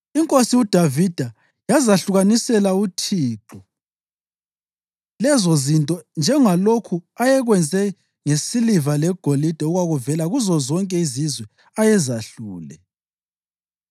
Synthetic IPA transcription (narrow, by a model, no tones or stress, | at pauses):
iŋkʼosiud̥ʱavid̥ʱa | jazaɬuɣanisɛlautʰiːǃɔ | lɛzozintʼɔnd͡ʒʱɛŋalokʰuajɛɣwɛnd͡zʱɛ | ŋesilivalɛɡ̥ʱolid̥ʱɛuɣwaɣuvɛlaɣuzɔzɔŋkʼɛizizwɛ | ajɛzaɬuːlɛ̰